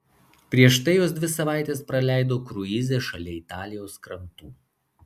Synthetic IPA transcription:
pʲɾʲiɛʃt̪ɐɪjoːsd̪ʲʋʲɪsɐʋɑˑɪt̪ʲeːspɾɐlʲæˑɪd̪oːkɾʊizʲeːʃɐlʲeɪt̪ɑːlʲɪjoːskɾɐnt̪uː

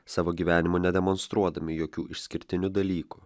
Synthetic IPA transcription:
sɑːʋoːɡʲiʋʲæːnʲɪmʊnʲɛd̪ʲɛmɔnst̪ɾuɔd̪ɐmʲɪjoːkʲuːɪʃʲsʲkʲɪɾʲt̪ʲɪnʲud̪ɐlʲiːkuː

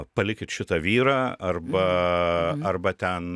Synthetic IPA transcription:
pɐlʲɪkʲɪt̪ʃʲɪt̪ɐʋʲiːɾɑːɐrbɐ | ɐrbɐt̪ʲɛn

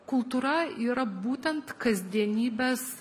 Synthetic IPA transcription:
kʰʊlˠt̪uɾɑiɾɑbut̪ʲant̪kʰazʲd̪ʲenʲiːbæs

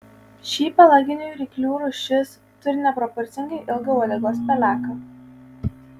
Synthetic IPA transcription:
ʃʲiːpɐlˠɐɡʲɪnʲʊjɾʲikʲlʲuːɾʊʃʲɪs | t̪ʊɾʲɪnʲɛpɾɔpɔɾʲt̪sʲɪŋɡɐɪʔɪlˠɡɐʊɐlʲɪɡoːspʲɛlʲæːkɐ

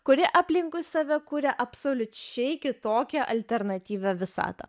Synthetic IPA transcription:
kʊɾʲɪʔɑːpʲlʲɪŋkʊɪsɑːʋʲɛkuːɾʲɛʔɐpsoːlʲʊt͡ʃʲɛɪkʲɪt̪oːkʲɛʔɐlʲt̪ʲɛɾnɐt̪ʲiːʋʲɛʋʲɪsɑ̰ːt̪ɐ̰

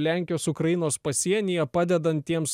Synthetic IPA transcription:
lʲæˑŋʲkʲɪjoːsʊkɾɐjɪnoːspɐsʲiɛnʲijɛpɑːd̪ʲɛd̪ɐnt̪ːʲiɛms

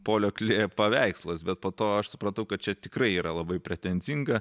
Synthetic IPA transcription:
poːlʲoːklʲeːpɐʋʲæɪkslˠɐsbʲɛt̪̚poːt̪oːɐʃsʊpɾɐnt̪ɐʊkɐt̚t͡ʃʲɛt̪ʲɪkɾɐɪiːɾɐlˠɐbɐɪpʲɾʲɛt̪ʲɛnʲd͡zʲiŋɡɐ

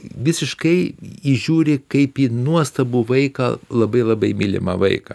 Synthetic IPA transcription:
ʋʲɪsʲɪʃkɐɪiʒʲuːɾʲɪkɐɪpiːnuɔst̪ɐbuːʋɐɪkɐ̰lˠɐbɐɪlˠɐbɐɪmʲɪlʲɪ̰mɐ̰ʋɐɪkɐ̰

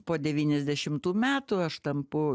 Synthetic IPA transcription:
poːd̪ʲɛʋʲiːnʲɛzʲd̪ʲɛʃʲɪmt̪uːmʲæːt̪uɐʃt̪ɐmpʊ

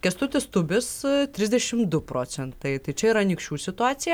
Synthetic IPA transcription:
kʲɛst̪ʊt̪ʲɪst̪ʊbʲɪst̪ʲɾʲɪzʲd̪ʲɛʃʲɪmd̪ʊpɾoːt͡ssʲɛnt̪ɐɪt̪ɐɪt͡ʃʲɛiːɾɐnʲikʃʲt͡ʃʲuːsʲɪt̪ʊɑːt̪sʲɪjɛ

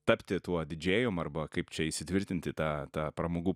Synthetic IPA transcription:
t̪ɐpʲt̪ʲɪt̪uɔd̪ʲɪd͡ʒʲeːjomɐrbɐkɐɪpt͡ʃʲɛɪʃsʲɪt̪ʲʋʲɪɾʲt̪ʲɪnʲt̪ʲɪt̪ɑːt̪ɑːpɾɐmoːɡuː

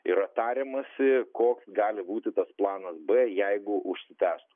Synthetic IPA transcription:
ɪɾɐt̪ɑːɾʲemɐsʲɪkoːksɡɑːlʲɪbuːt̪ʲɪt̪ɐsplˠɑːnɐsbɛjɛɪɡʊʔʊʃʲsʲɪt̪ʲæːst̪ʊ

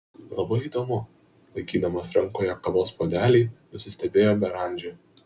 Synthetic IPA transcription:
lˠɐbɐɪiːd̪oːmʊ | lˠɐɪkʲiːd̪ɐmɐsɾɐŋkoːjɛkɐʋoːspoːd̪ʲæːlʲiɪnʊsʲɪsʲt̪ʲɛbʲeːjoːbʲɛɾɐˑnʲd͡ʒʲɛ

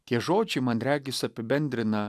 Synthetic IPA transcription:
t̪ʲiɛʒoːd͡ʒʲɛɪmɐnɾʲæːɡʲɪsʲɐpʲɪbʲɛnʲd̪ʲɾʲɪnɐ

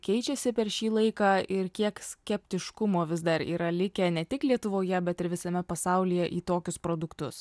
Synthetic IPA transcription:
kʲɛɪt͡ʃʲɛsʲɪpʲɛɾʃʲiːlˠɐɪkɑːɪɾkʲiɛksʲkʲɛpʲt̪ʲɪʃkʊmoːʋʲɪzd̪ɐɾḭːɾɐlʲɪkʲɛnʲɛt̪ʲɪklʲiɛt̪ʊʋoːjɛbʲɛt̪ɪɾʋʲɪsɐmʲɛpɐsɐʊlʲijɛʔiːt̪oːkʲʊspɾoːd̪ʊkt̪ʊs

